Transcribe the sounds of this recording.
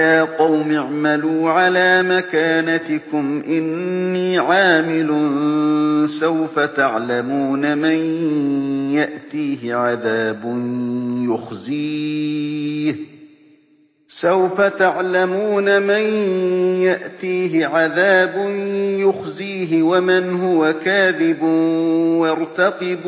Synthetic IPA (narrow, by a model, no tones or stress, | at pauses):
jaːqɑwmɪʕmaluːʕalaːmakaːnat̪ɪkʊmʔɪnːiːʕaːmɪlʊn | sawfat̪aʕlamuːnaman | jaʔt̪iːɦɪʕaðaːbʊnjʊxziː | h | sawfat̪aʕlamuːnamanjaʔt̪iːɦɪʕaðaːbʊnjʊxziːɦɪwamɪnhʊwakaːðɪb | wɑɾt̪ɑqɪb